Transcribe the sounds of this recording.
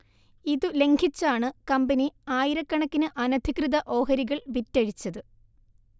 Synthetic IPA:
iðɨleŋɡʰʱit͡ɕːaːɳɨkɐmbɐniaːjiɾɐkːɐɳɐkːinɨʔɐnɐd̪ʱikrɨðɐʔo̞ːɦɐɾiɣɐɭʋitːɐɻit͡ɕːɐðɨ

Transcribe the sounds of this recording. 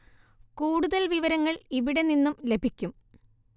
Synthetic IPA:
kuːɽuðɐlʋiʋɐɾɐŋːɐɭiʋiɽe̞ninːumle̞bʱikʲːum

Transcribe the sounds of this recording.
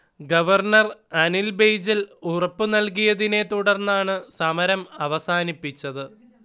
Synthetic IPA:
ɡɐʋɐrnɐrɐnilbejd͡ʑilurɐpːɨnɐlkijɐðine̞t̪uɽɐrnːaːɳɨsɐmɐɾɐmɐʋɐsaːnipːit͡ɕːɐðɨ

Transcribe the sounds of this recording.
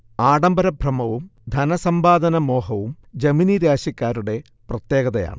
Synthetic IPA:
aːɽɐmbɐɾɐbʱrɐmɐʋumd̪ʱɐnɐsɐmbaːd̪ɐnɐmo̞ːɦɐʋum | d͡ʑɐminiɾaːɕɐkʲːaːɾuɽe̞ | prɐt̪jeːɡɐðɐja̰ːɳɨ

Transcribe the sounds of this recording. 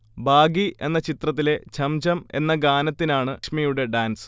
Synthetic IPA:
bʱaːɡiʔe̞̰nːɐt͡ɕit̪rɐt̪̬ːile̞t͡ɕʰɐmd͡ʑɐme̞̰nːɐɡaːnɐt̪ːinaːɳɨʂmijuɽe̞ɖaːnsɨ̥

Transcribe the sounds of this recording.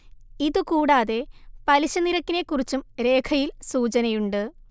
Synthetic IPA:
iðɨkuːɽaːðe̞pɐliɕɐniɾɐkːine̞kːurit͡ɕːumɾe̞ːkʰɐjilsuːt͡ɕɐnɐjuɳɖɨ

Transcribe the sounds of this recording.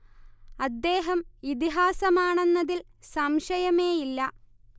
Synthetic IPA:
ɐd̪ːe̞ːɦɐmit̪iɦaːsɐmaːɳe̞nːɐðil | sɐmʂɐjɐme̞ːjilːɐ

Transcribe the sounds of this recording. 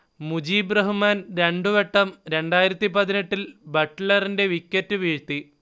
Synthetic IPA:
mud͡ʑiːbrɐɦumaːnɾe̞ɳɖuʋe̞ʈːɐmɾe̞ɳɖaːjiɾɐt̪ːipɐðineʈːilbɐʈːlɐrinde̞ʋikʲːɐtːɨʋiːɻt̪ːi

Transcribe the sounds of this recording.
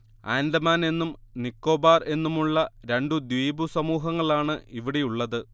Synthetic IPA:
aːnlɐmaːne̞nːumnikːo̞ːbaːre̞nːumuɭːɐɾe̞ɳɖud̪ʋiːbusɐmuːɦɐŋːɐɭaːɳɨiʋiɽe̞juɭːɐðɨ

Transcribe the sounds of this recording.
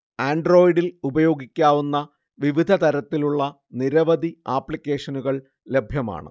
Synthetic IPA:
aːɳɖro̞ːjiɖilubɐjo̞ːɡikʲːaːʋunːɐ | ʋiʋid̪ʱɐt̪ɐɾɐt̪ːiluɭːɐ | niɾɐʋɐd̪ʱiaːpːɭikʲːe̞ːʂɐnuɣɐɭ | le̞bʱjɐma̰ːɳɨ̰

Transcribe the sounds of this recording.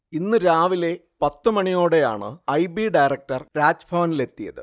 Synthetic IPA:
inːɨɾaːʋile̞ | pɐt̪ːɨmɐɳijo̞ːɽe̞ja̰ːɳɨ̰ɐjbiɖɐjrɐk̚ʈɐrɾaːt͡ɕːbʰʱɐʋɐnile̞t̪ːijɐ̰ðɨ̰

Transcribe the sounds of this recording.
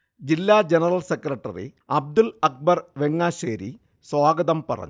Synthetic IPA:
d͡ʑilːaːd͡ʑenɐrɐlsekːrɐʈːɐ̰rḭ | ɐb̚d̪ulɐk̚bɐrʋeŋːaːɕeːɾḭ | swaːɡɐðɐmpɐ̰rɐ̰ɲːu

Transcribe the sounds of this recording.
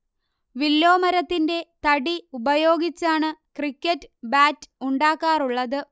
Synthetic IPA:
ʋilːo̞ːmɐɾɐt̪ːinde̞t̪ɐɽiubɐjo̞ːɡit͡ɕːaːɳɨkrikʲːɐtːɨbaːtuɳɖaːkːaːruɭːɐðɨ

